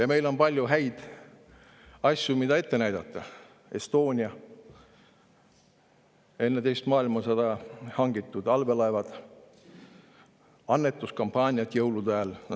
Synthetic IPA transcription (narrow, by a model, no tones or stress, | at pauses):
jɑme̞jlo̞npɑlʲjuɦæjd̪̥ | ɑsʲjumid̪ɑe̞t̪ːe̞næjd̪̥ɑt̪ːˑɑ | e̞st̪o̞ːnʲiɑ | e̞nːet̪e̞jst̪mɑːilmɑsed̪̥ɑhɑŋɡ̥it̪ːˑud̪ɑlve̞lɑevɑd̪̥ | ɑnːe̞t̪ːˑuskɑmpɑːnʲiɑt̪jɤwlud̪æːl